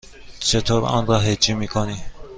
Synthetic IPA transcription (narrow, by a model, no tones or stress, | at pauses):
t͡ʃʰet̪ʰoɾɑ̰nɾɑɦed͡ʒimikʰoni